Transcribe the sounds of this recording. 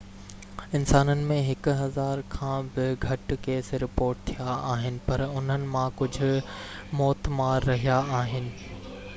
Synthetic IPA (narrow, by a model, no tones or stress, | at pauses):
ɪnsaːnənɪ̆mẽɦɪkʊɦɐzaːɾkʰãːbɪɡʱɐʈkeːsɾɪpoːɾʈ̚t̪ʰijaaːɦɪnɪ̆pɐɾʊn̤ənɪ̆mãkʊd͡ʑʱʊ̆mɔːt̪maːɾːɐɦijaaːɦɪnɪ̆